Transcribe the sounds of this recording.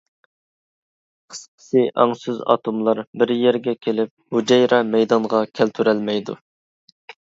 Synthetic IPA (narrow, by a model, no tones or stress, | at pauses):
qʰə̥sqʰə̥sɨʔɑ̰ŋsyzɑ̰t̪ʰomlˠɑɾbɪɾjɛɾɡʲɛkʲʰelɪp̚hud͡ʒɑjɾɑmɛjd̪ɑŋʁɑkʲʰɛlt̪ʰyɾɛlmɛjd̪ṵ